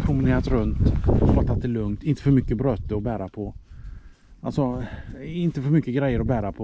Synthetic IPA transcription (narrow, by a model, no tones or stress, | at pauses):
pʰɾʊmɪneːɾat̪ɾɵnt̪ɔbat̪ʰːat̪ːɛlɵŋt̪ɪnt̪ə̥fœɾmʏkːəbɾœt̪ːəɔbæːɾapʰɔ | ʔalsɔ | ɪnt̪əfœɾmʏkːəɡɾɛjːəɾɔbæːɾapʰɔ